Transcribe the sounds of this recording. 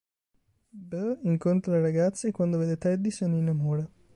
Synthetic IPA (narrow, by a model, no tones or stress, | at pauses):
bəiŋkont̪ɾolɐɾɐɡaːt̪sekwand̪oʋed̪et̪ɐd̪ːisoninɐmoːɽɐ